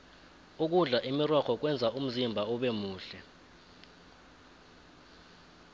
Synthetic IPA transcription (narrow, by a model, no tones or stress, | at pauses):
uk̬uɮaʔimirɔkʰɔk̬wɛnd͡zʱaum̩zimbʱaɔɓemuːɬɛ